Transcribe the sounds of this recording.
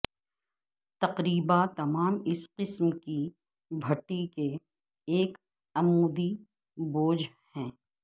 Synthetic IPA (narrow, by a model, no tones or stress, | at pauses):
t̪ɐqɾiːbat̪ɐmaːmɪsqɪsmki | bʱɐʈːike | eːk | ɐmuːd̪i | boːd͡ʒ | hɛ̃ː